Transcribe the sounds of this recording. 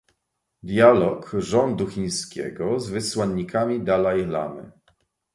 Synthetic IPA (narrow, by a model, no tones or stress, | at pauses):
d̪ʲjalɔkʐɔnd̪uxʲiɲ̃skʲɛ̰ɡɔzvɘswaɲːikʰamʲid̪alajla̰mɘ̰